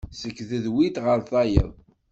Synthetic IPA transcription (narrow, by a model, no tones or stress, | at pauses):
səkːðəðwit̪ʁəɾθɑjə̰ðˤ